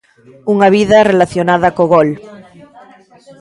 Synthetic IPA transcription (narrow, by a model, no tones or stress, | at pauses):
uŋaβ̞iðarelaθjonað̞akoɣol